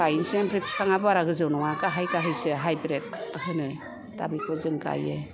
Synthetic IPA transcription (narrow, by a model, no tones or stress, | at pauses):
ajinsambɾipʰi̥kʰaŋabɯaɾaɡɯzɯwnɔŋakaɦajkaɦɯjsɯɦajbɾet̚hɯnɯ | ta̰bikʰɔzɯŋka̰jɯ